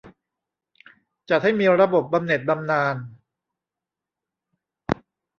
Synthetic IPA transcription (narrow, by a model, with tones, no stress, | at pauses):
t͡ɕa˨˩t̪̚ha˥˩jmiː˧ɾa˧bo˨˩p̚ba˧mne˨˩t̪̚ba˧mnaː˧n